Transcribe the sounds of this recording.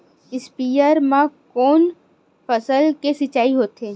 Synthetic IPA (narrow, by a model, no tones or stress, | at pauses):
ɪspijəɾmãkoːn | pəsəlkesɪt͡ʃːaːiɦoːt̪ɦeː